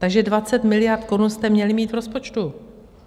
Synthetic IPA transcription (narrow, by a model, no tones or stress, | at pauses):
t̪aɡʒɛdvat͡sɛt̪mɪlɪjaɾt̪̚ko̞ɾunst̪ɛmɲɛlɪmiːt̪vɾo̞spo̞t͡ʃt̪u